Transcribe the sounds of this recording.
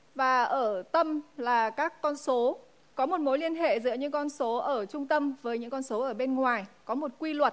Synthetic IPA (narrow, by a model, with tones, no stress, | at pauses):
vaː˨˩ʔəː˧˩t̪ə˧mlaː˨˩kaː˦˥kːɔ˧nso˨˦ | kɔ˨˦mo˨˩t̚mo˨˦jli˧ənɦḛ˧˨zɨ̰˧˥əɲɨ̰˧˥ŋkɔ˧nso˨˦ʔəː˧˩t͡ɕʊ˧ŋ͡mt̪ə˧mvəː˨˦jɲɨ̰˧˥ŋkɔ˧nso˨˦ʔəː˧˩ɓe˧nŋwaː˨˩jkɔ˨˦mo˨˩t̚kwi˧lwə˨˩t̚